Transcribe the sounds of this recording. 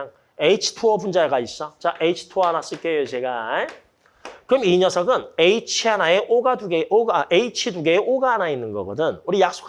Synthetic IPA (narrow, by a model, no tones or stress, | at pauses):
ŋ | e̞it͡ɕʰi̥tʰuʌbund͡ʑaeɡais͈ʌt͡ɕaʔeit͡ɕʰi̥tʰuʌanas͈ɯɭk͈ejot͡ɕe̞ɡae | kɯɾʌmiɲʌsʰʌɡɯneit͡ɕʰianae̞ʔoɡaduɡeʔoɡaʔeit͡ɕʰiduɡeːʔoɡaːnainːɯnɡʌ̰ɡʌdɯnuɾijak̚s͈o̥kʰ